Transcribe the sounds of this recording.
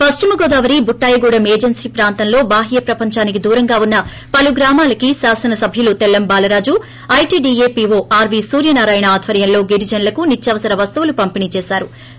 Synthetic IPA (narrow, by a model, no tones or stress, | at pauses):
pɐst͡ʃimɐɡoːd̪aːʋɐɾibuʈːaːjɐɡuːɽɐmeːd͡ʒɐnsiːpɾaːnt̪ɐnlo̞ːbaːɦijɐpɾɐpɐɲt͡ʃaːnik̬id̪uːɾɐŋɡaːunːɐ | pɐluɡɾaːmaːlɐkisaːsɐnɐsɐbʱjɐlut̪ɛlːɐmbaːlɐɾaːd͡ʒu | ɐjʈiːɖiːeːpiʋoːʔaːɾʋiːsuːɾjɐnaːɾaːjɐɳɐaːd̪ʱʋɐɾjɐnlo̞ːɡiɾid͡ʒɐnlɐkunit͡ʃːjɐʋɐsɐɾɐʋɐst̪uʋulupɐmpiniːt͡ʃɛːsaːɾu